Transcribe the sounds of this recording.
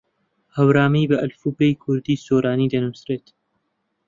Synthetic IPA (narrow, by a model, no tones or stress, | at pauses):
hɐwɾaːmijbɐʔɐlfuːbejkʰʊɾd̪iːsoːɾaːniːd̪ɐnusɾeːt̪